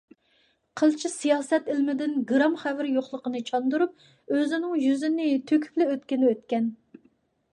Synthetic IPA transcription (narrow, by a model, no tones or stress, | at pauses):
qʰəlˠt͡ʃʰisijɑːsɛt̪ɪlmɪd̪ɪnɡɾɑmχɛvɪɾjoχlˠəqənɨt͡ʃʰɑnd̪uɾup̚ | øzɪnɪŋjyzɪnɪt̪ʰøkʲʰy̥plɪøt̪kʲɪnɪøt̪̚kʲɛn